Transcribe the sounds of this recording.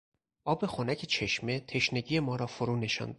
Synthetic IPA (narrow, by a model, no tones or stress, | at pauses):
ʔɒːbe̞xonæcʰet͡ʃʰe̞ʃme̞t̪ʰe̞ʃneɟije̞mɒːɾɒːfoɾuːne̞ʃɒ̰ːnd̪